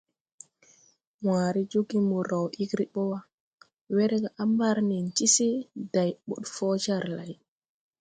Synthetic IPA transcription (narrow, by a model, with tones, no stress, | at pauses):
waː˨ɾi˦d͡ʒu˦ɡi˦mu˨ɾa˨wʔi˦ɡɾi˦ɓɔ˦wa˨ | we˦ɾɛ˦ɡa˨ʔa˦mba˦ɾni˨nt͡ʃi˦si˦da˨jɓṵ˨ɗfɔ˦d͡ʒa˦˨ɾla˨j